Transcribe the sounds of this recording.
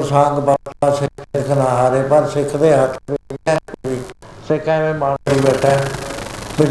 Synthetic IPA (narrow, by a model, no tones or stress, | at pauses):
sãːŋɡbət̪ãːsɪket̪knaːɦaːɾeːpəɾsɪkʰːd̪eːɦət̪ʰbɪɛ̃ːiːsɪkʰːɛ̃ːʋẽːmaːɽɾiːbɛːʈʰːɛː | bɪ